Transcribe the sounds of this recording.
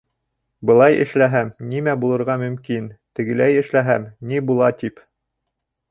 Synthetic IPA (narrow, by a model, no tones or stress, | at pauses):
bɤ̆lˠɑjʔɘ̰̆ʃlæɦæmnimæbulˠɤ̆ɾʁɑmɵ̆mkint̪ɘ̆ɡɘ̆læjɘ̆ʃlæɦæmnibulˠɑt̪ip